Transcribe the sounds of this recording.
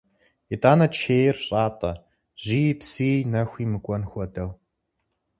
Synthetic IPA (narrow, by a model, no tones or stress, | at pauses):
itʼaːnɐt͡ʃʰeːjrɕʼaːtʼɐ | ʑ̥ijpsinɐxʷiːmɨkʷʼɔnxʷɔdɐw